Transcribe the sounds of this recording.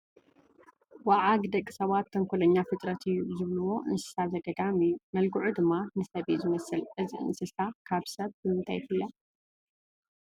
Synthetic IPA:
waʕaɡd̪ɐkʼːi̥sɐβat̪ʰːɐŋkʰʷulɐɲːafɨt̪ʼɾɐt̪ʰɨjːuzɨβlɨwo̞ʔɨnsɨ̥sazɐɡɐd̪amɨjːumɐlɡuʕud̪ɨmːanɨsɐβizɨmɐsɨlʕɨziʔɨ̰nsɨsakʰaβsɐβbɨmɨnt̪ʰajt̪ʰɨlːɐ

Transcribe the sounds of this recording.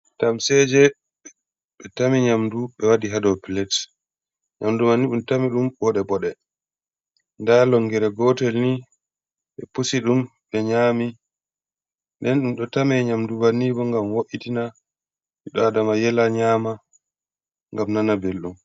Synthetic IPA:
tamsɛd͡ʒɛ | ɓɛtamiɲamduɓɛwadiɦadɔpilɛt | ɲamdumanːiɗumtamiɗumbɔɗɛbɔɗɛ | ndalɔŋɡɛɾɛɡɔtɛlni | ɓɛpusiɗumɓɛɲaːmi | ndɛnɗumɗɔtamɛɲamduvanibɔŋɡamwoʔitina | miɗɔadamajɛlaɲaːma | ŋɡamnanabelɗum

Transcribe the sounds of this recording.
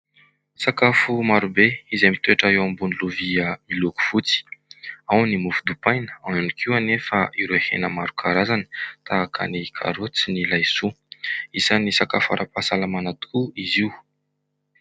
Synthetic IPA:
sakafumaɾubeizamit̪weʈ͡ʂaewambuniluviəmiloku̥v̥ut͡si̥awnimufud̪upajnə̥awanikʰiwanefəʔiɾoehḛnəmaɾukʰaɾazanə̥t̪ʰaakʰa̰nikʰa̰ɾot͡sinilajsu | isanisakafa̰ɾʔapasalamanat̪u̥kuiziw

